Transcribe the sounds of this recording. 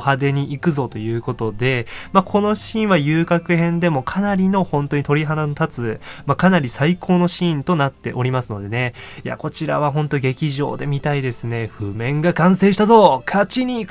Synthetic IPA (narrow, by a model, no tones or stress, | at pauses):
had̪e̞ɲ̟iʔikɯ̟zo̞t̪o̞jɯ̟ːko̞t̪o̞d̪e̞makʰo̞no̞ɕĩβajɯːkakɯ̟hẽ̞nd̪e̞mo̞kʰanaɾʲino̞hõ̞nt̪o̞ɲit̪o̞ɾʲiɦananot̪at͡sɨmakanaɾʲisaikʰo̞ːno̞ɕĩːnt̪o̞nat̪ːe̞̰ʔo̞ɾʲimasɨno̞d̪e̞ne̞ja̰ko̞t͡ɕiɾa̰βaɦõ̞nt̪o̞ɡe̞kʲiʑo̞̰ːd̪e̞mʲit̪aid̪e̞sɨne̞ɸɯ̟mẽ̞ŋɡakãɰ̃se̞ːɕi̥t̪azo̞kʰat͡ɕiɲ̟i